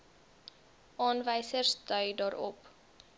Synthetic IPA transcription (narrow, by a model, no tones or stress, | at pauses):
ʔɑːnvəjsərsdœɥdɑːɾɔ̰p